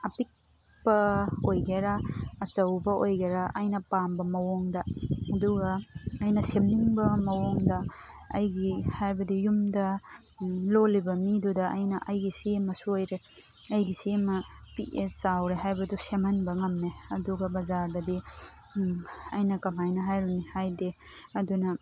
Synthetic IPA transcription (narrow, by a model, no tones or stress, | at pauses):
ɐpik̚ | pɐojɡeɾaːt͡ʃɐwbɐʔojɡeɾaʔɐjnɐpambɐmɐwoŋdɐɐduɡɐːjnɐsemniŋbɐmɐwoŋdɐ | ɐ̰jɡihajbɐdijumdɐ | lolibɐmidudɐʔɐjnɐʔɐjɡisimɐsuojɾe | ɐjɡisimɐpiʔesawɾeɦajbɐdusemhɐnbɐŋɐmneɐduɡɐbɐzaɾdɐdi | ɐjnɐkɐmajnɐɦajɾunihajde | ɐdunɐ